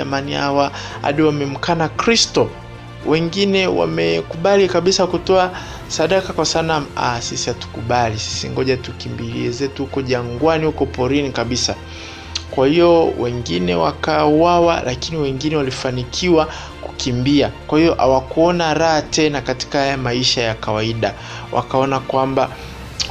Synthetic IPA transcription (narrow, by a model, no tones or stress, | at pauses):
a̰maniawaha̰ɗiwamɛm̩kanakɾistɔ | wɛŋɡinɛwa̰mɛkuɓalikaɓisakutɔa | saɗakakwasanama̰sisihatu̥kuɓalisi̥siŋɡɔʄatukimbilḭɛzɛtuhukɔʄaŋɡwanihukɔpɔɾinikaɓisa | kwahiɔwɛŋɡinɛwa̰kauwawalʔakiniwɛŋɡinɛwalifanikʰiwa | kukʰimbiakwahiɔʔa̰wakuɔnaɾahatɛnakati̥kahajamaiʃajakawaiɗa | wʔa̰kaɔnakwamba